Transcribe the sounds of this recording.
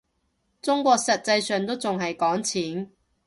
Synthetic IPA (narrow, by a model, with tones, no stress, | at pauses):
t͡sʊ˥ŋkʷɔː˧k̚sɐ˨t̚t͡sɐ˧jsœː˨ŋt̪o˥wt͡sʊ˨ŋɦɐ˨jkɔː˨˥ŋt͡sʰiː˨˥n